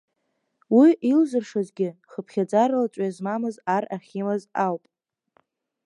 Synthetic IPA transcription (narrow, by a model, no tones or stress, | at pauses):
wiʔilʒʷɨrʂazɡʲɪχəpʰχʲad͡zaɾalat͡ʃʷʼazmamɨzaraχʲimɨzawpʼ